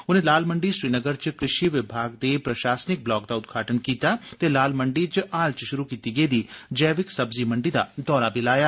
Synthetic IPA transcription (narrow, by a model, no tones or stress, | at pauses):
ʊnẽːlaːlməɳɖiʃɾiːnəɡəɾt͡ʃkɾɪʃiʋɪbʱaːɡ̚d̪eːpɾɐʃaːsnɪk̚blɔːk̚d̪aːʊd̪ɡʰʱaːʈʰənkiːt̪aːt̪elaːlməɳɖit͡ʃaːlt͡ʃʃʊɾukiːt̪iɡeid̪iːd͡ʒɛːʋɪksɐbzimə̃ɳɖid̪a̰d̪ɔːɾabʱilaːjaː